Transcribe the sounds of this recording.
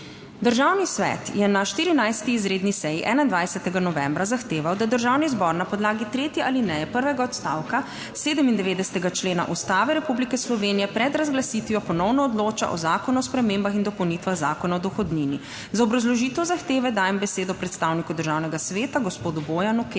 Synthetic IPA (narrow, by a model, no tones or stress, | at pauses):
d̪əɾʒawnisʋɛ̰t̪jɛnaʃt̪iːɾinajst̪iːzɾeːd̪nisɛjiʔɛːnaind̪ʋajsɛt̪ɛɡanɔʋɛmbɾazaxt̪eːʋawd̪ad̪əɾʒaːwnizbɔɾnapɔd̪laːɡit̪ɾeːt̪jɛʔalinɛjɛpəɾʋɛɡaɔt̪st̪a̰ːwka | seːd̪əmind̪ɛʋeːd̪ɛsɛ̥t̪ɛɡat͡ʃleːna̰ʔust̪aːʋɛɾɛpublikɛslɔʋeːnijɛpɾɛd̪ɾazɡlasit̪ʋiɔpɔnɔwnɔːd̪loːt͡ʃa̰ʔɔ̰zaːkɔnuɔspɾɛmembaxind̪ɔpɔwnit̪ʋaɣzaːkɔnaɔd̪ɔxɔd̪nini | zaɔbɾazlɔʒiːt̪ɛwzaxt̪eːʋɛd̪aːjɛmbɛseːd̪ɔpɾɛt̪st̪awnikud̪əɾʒawnɛɡasʋeːt̪aɡɔspoːd̪ubojanuke